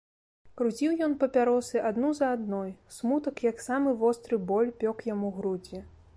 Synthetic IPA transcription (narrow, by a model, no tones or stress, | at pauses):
kɾut͡sʲiwjɔnpɐpʲaɾɔsɨʔad̪nuzɐːd̪nɔjsmut̪ɐkjɐksamɨvɔst̪ɾɨbɔlʲpʲɔkjamuɣɾud͡zʲɛ